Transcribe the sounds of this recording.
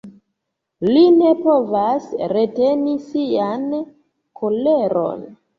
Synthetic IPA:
line̞povasɾetenisian | kʰoleɾo̰n

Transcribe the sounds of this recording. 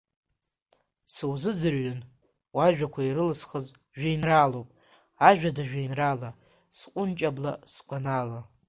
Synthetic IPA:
sɨwzɨd͡zɨrɥan | waʒᶣakʷʰaiɾɨlɨsχəz | ʒᶣajnralowpʼ | aʒᶣadaʒᶣajnrala | sqʷʼʊnt͡ʃʼablaskʷʼanala

